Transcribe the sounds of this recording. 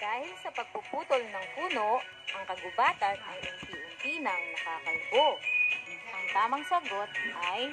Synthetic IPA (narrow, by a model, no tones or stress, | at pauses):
d̪̥aːhɪlsɐpɐɡ̚pʊpuːt̪olnɐŋkuːno̞ʔ | ʔɐŋkɐɡʊbaːt̪ɐnɐjʔɐŋsiʔʊnt̪iːnɐŋnɐkaːkɐlbo | ʔɐŋt̪aːmɐŋsɐɡo̞t̪̚ʔɐj